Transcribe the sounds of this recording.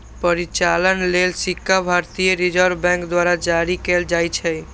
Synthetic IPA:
pəɾit͡ʃalənlelsikʰːabʱaɾt̪ijəɾid͡ʒəɾbɛ̃ŋkd̪waɾad͡ʒaɾikeld͡ʒajt͡ʃʰɛ

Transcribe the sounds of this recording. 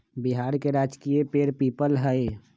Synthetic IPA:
biɦaːɾkeɾaːd͡ʒkiepeɾpiːpəlɦəe

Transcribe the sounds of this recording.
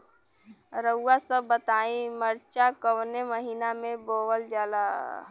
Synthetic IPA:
ɾəʊwasəbːət̪aːĩməɾt͡ʃakəwneməɦiːnamẽboːʋəld͡ʒaːla

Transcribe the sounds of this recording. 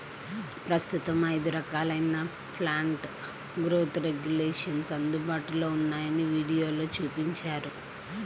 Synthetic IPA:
pɾɐst̪ut̪ɐmɐjd̪uɾɐkaːlɐjna | pʰlaːɳʈ | ɡɾoːt̪ɾe̞ɡjuleːʂɐnsɐnd̪ubaːʈilo̞ːunːaːjɐniʋiːɽijo̞ːlo̞ːt͡ʃuːpiɲt͡ʃaːɾu

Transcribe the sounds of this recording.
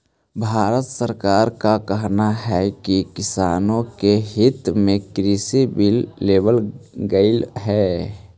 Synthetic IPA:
bʱaːɾət̪səɾkaːɾkakəɦnaɦɛkikɪsaːnõkeɦɪt̪mẽkɾisibilːeːbəlɡəɪlɦɛ

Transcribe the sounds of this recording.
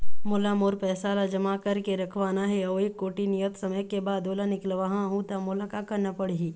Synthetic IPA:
mʊlamoːɾpɛːsaːlad͡ʒɐmakɐɾkeɾɐkʰʋaːnaɦɛɔːeːkːoːʈinijət̪sɐməjkebaːd̪oːlanɪklʋaɦãɦũt̪amʊlakakɐɾnapɐɽiɦiː

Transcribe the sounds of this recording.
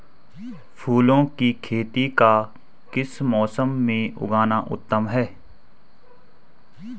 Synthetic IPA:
pʰuːlõkikʰeːt̪ika | kɪsmɔːsəmːẽʔʊ̰ɡaːnaʔʊ̰t̪ːəmɦɛː

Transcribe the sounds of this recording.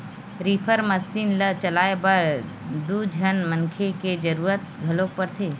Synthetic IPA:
ɾiːpʰəɾməsiːnlət͡ʃəlaːebəɾ | d̪ud͡ʒʱənmə̃ŋkʰeked͡ʒəɾuːɾət̪̚ɡʱəlõpəɾt̪ʰeː

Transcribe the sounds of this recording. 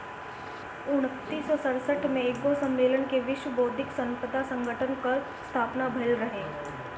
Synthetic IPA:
ʊɽ̃t̪ːiːsɔsɐɽsəʈʰmẽɪosɐ̃mːeːlənkeʋɪʃwəboːd̪ʱɪksə̃mpəd̪ʱasə̃ŋɡʱəʈʰənkɐɾ | st̪ʰaːpnabʱɐɪlɾɐɦeː

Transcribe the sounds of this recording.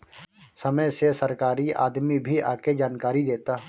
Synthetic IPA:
səməjsesəɾkaːɾia̰ːd̪mibʱia̰ːked͡ʒaːnkaːɾid̪eːt̪a

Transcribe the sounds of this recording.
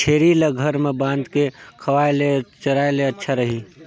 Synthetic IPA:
t͡ʃʰeːɾileɡʱəɾmẽbãːnd̪kekʰɐʋaːelet͡ʃəɾaːeleətːʃʰaɾəɦi

